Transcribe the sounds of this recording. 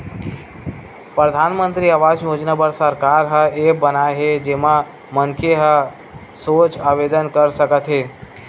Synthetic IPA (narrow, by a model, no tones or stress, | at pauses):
pɾəd̪ʱanmənt̪ɾiaʋad͡ʒjod͡ʒnabəɾsəɾkaɾɦəebənajɦed͡ʒema | mənkʰeɦə | sot͡ʃaʋed̪ənkəɾsəkət̪ɦe